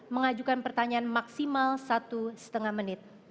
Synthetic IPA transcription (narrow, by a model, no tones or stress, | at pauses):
məŋad͡ʒukanpərt̪aɲaanmaksimalsat̪usə̥t̪əŋahmənɪt̪̚